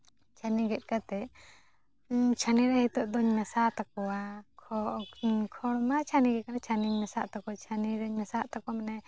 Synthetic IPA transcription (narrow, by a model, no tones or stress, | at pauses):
t͡ʃʰaniɡɛt̪̚ˀkat̪ɛ | t͡ʃʰaniɾahit̪ɔʔd̪ɔɲmɛsat̪akɔwakʰɔkʰɔɽmat͡ʃʰaniɡɛkanat͡ʃʰaniɲmɛsaʔt̪akɔt͡ʃʰaniɾaɲmɛsaʔt̪akɔamanɛ